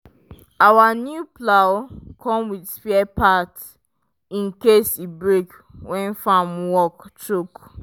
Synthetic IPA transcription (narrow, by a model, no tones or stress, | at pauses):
awanjuplawkʰɔ̃mwidsfiɛpat | ĩnkesibɹek | wʔɛ̃nfamwɔktɹuk